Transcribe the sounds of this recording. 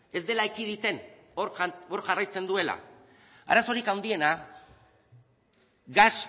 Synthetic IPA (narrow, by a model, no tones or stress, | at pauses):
e̞zd̪e̞laikið̞it̪e̞noɾo̞ɾʝarajt͡se̞nd̪ue̞la̰ | a̰ɾaso̞ɾikawnd̪ie̞na | ɡas